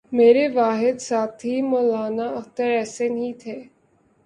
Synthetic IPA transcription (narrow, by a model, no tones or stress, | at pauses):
meːɾeʋaːɦɪd̪saːt̪ʰɦimɔːlaːnaɐxt̪əɾɛːsenəɦit̪ʰeː